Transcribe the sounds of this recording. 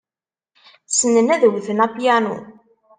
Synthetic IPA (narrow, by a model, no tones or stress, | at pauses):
θsːənːənæðəwθənæpjænṵn